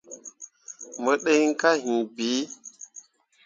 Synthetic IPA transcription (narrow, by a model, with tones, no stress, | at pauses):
mə˨ɗe˦jŋ˦ka˦hũ˨biː˨˦